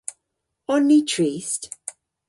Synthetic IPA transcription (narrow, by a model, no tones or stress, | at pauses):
ɔnːitʰɹist